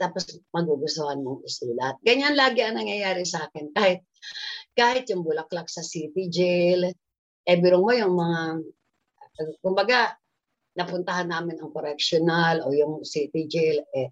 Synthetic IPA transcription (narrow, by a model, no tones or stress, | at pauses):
t̪aːposmɐɡuɡʊsohɐnmoŋʔɪsuːlɐt̪̚ɡɐɲanlaːɡɪɐŋnɐŋjɐjaːɾɪsaːkɪnkaːhɪt̪̚kaːhɪt̪jʊŋbʊlɐklak̚sɐsit̪ɪd͡ʒɛl | ʔɛbɪɾoŋmojʊŋmɐŋa | kʊmbɐɡa | nɐpʊnt̪ɐhanːaːmɪnɐŋkoɾɛkʃonalʔojʊŋsit̪ɪd͡ʒɛlɛ